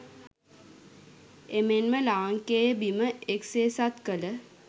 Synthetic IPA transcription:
emenməlaːŋkejəbiməekseːsat̪kələ

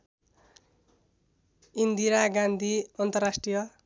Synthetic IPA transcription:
ind̪iɾaɡand̪ʱiʌnt̪ʌrasʈrijʌ

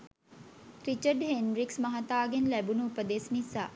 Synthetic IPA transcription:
ɾit͡ʃəɖhenɾiksmɐɦɐt̪aːɡenlæbunuupəd̪esnisa̰ː

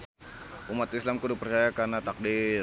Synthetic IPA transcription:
ʔumat̪islamkudupərt͡ʃajakarnat̪ak̚di

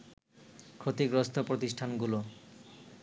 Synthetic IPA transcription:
kʰɾot̪ikɾost̪ʰopɾot̪isʈʰanɡulo

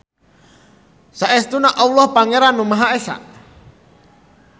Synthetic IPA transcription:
saʔɛst̪unaʔawlɔhpaŋeɾanumaɦaesa̰ʔ

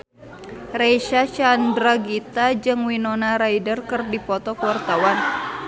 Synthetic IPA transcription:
reʃaʃandɾaɡit̪ad͡ʒɨŋwinɔnaɾaidərkɨrdipɔt̪ɔkəwart̪awan

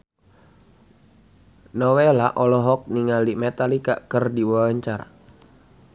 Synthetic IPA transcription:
nɔwelaʔɔlɔɦɔk̚niŋalimet̪alikaʔkərdiwaaɲt͡ʃara

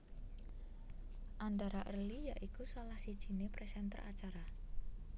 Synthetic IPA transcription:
ʔand̪aɾaʔərlijaʔikusalahsid̥ʒ̥i̤nepɾɛsɛnt̪ə̰rʔa̰t͡ʃaɾa

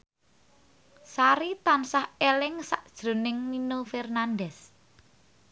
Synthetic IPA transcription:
saɾit̪ansahelɪŋsaʔd̥ʒ̥ɾo̤nɪŋninofɛrnandɛs

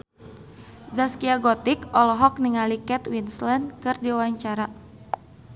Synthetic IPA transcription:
zaskiaɡɔt̪ikɔlɔɦɔk̚niŋalikɛt̪winslɛndkɨrdiwaɲt͡ʃaɾa

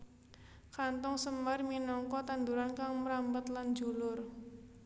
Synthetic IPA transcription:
kant̪ɔŋsəmarminɔŋkɔt̪and̪uɾankaŋməɾambət̪land͡ʒṳlʊr

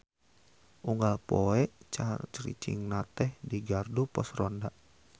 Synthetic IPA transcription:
ʔuŋɡalpɔɛʔt͡ʃat͡ʃɾḭt͡ʃḭŋnat̪ɛhdiɡardupɔsrɔndaʔ

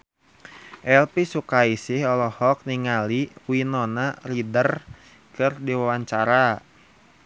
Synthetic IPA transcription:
ʔɛlpisukaisɪhɔlɔhɔk̚niŋaliwinɔnaridər | kɨrdiwawaɲt͡ʃaɾa

